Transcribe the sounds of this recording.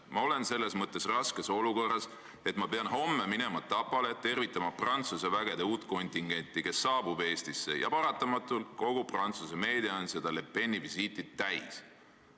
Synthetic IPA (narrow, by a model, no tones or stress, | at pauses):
mɑo̞le̞nse̞lːe̞smɤt̪ˑːe̞srɑske̞so̞luko̞rˑːɑs | e̞t̪ˑmɑpe̞ɑnho̞mːe̞mine̞mɑt̪ːɑpːˑɑle̞t̪e̞rvit̪ːˑɑmɑprɑnt̪suse̞væɡ̥e̞d̪euːt̪ˑko̞nʲt̪ʲiŋɡ̥e̞nʲt̪ːˑike̞sːɑːbube̞ːst̪isːe̞̰jɑ̰pɑɾɑt̪ːˑɑmɑt̪ːˑulko̞ɡ̥uprɑnt̪suse̞me̞ːd̪̥iɑonse̞d̪ɑle̞pːe̞nʲːivisiːt̪ːˑid̪̥̚t̪ːæjs